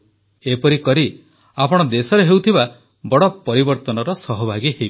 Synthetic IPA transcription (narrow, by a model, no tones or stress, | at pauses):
epɔɾikɔɾi | apɔɽ̃ɔd̪esɔɾeɦewt̪ʰiba | bɔɽɔpɔɾibɔɾt̪ɔnɔɾɔsɔɦɔbʱaɡiɦej